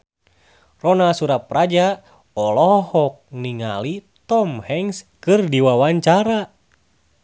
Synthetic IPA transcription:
rɔnasuɾap̚rad͡ʒa | ɔlɔhɔk̚niŋa̰lit̪ɔmhɛŋskɨrdiwawaɲt͡ʃaɾa

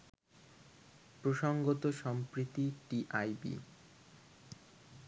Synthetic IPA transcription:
pɾoʃoŋɡot̪oʃɔmpɾit̪iʈiʔajbḭ

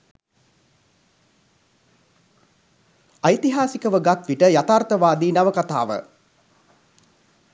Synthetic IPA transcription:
ajt̪iɦaːsikəʋəɡat̪ʋiʈəjat̪aːrt̪əʋaːd̪iːnaʋəkat̪aːʋə̰

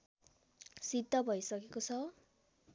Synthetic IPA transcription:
sid̪ʱːʌbʱʌjsʌkekot͡sʰʌ

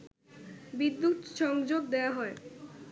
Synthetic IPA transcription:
bid̪ːut̪ʃɔŋd͡ʑoɡd̪eaɦɔe

